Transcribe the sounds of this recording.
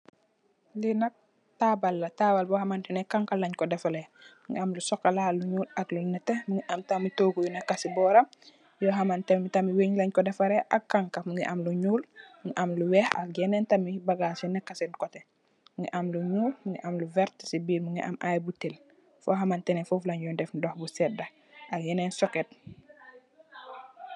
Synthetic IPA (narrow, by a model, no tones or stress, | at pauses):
linɐk̚ | tabalːɐtabalbɔhamantɛnɛkaŋkalɐɲkɔdɛfalemuŋɡḭamlusɔkːalaːlːuɲuːlaklunɛtːemuŋiʔɐmtamitoːɡujunɛkːasibɔːɾɐm | jɔɦamantemmitɐmiweɲlɐɲkɔdɛfaɾɛʔakːaŋkamuŋɡiʔɐmluɲuːlmuŋiʔamluwɛha̰kjɛnɛntɐmibɐɡasinɛkːasɛnkɔtɛ | muŋɡiʔamluɲuːlmuŋiʔamluvɛɾtsibiːɾmuŋɡiʔa̰mʔajbutil | fɔɦɐmantɛnɛfuflaɲjɔndɛfdɔhbusɛdɐ | ʔakjɛnɛnsɔket̚